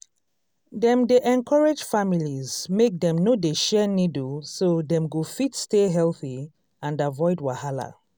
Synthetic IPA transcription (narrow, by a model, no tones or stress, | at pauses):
dɛ̃mdeʔɛ̃nkʰɔɹed͡ʒfamilizmek̚dɛ̃mnodeʃɛnidsodɛ̃mɡofitsteɦɛlθi | ãndavɔɪdwahala̰